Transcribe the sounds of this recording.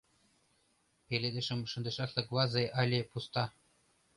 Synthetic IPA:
pelʲed̪ɘ̆ʃɘ̆mʃɤ̆nd̪ɤ̆ʃɑt̪lɤ̆kβɑzeʔɑlʲepust̪ɑ

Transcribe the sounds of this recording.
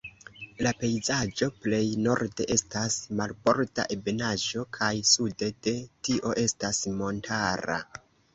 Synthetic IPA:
lape̞jzad͡ʒo̞ple̞jno̞ɾde̞ʔe̞stasmalpo̞ɾta̰ʔebenaʒo̞kʰajsude̞de̞tiʔo̞ʔe̞stasmo̞ntʰaɾa̰

